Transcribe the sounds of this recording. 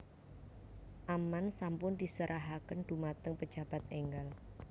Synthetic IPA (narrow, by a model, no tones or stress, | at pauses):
ʔamansampʊnd̪̥isəɾʔaɦakənd̪̥ṳmat̪əŋpə̥d͡ʒ̥a̤b̥a̤t̪̚eŋɡal